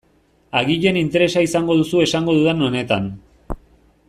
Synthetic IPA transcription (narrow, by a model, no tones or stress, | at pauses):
aɣiʎe̞nint̪e̞ɾe̞saisaŋɡo̞ð̞usue̞saŋɡo̞ðuðeno̞ne̞t̪an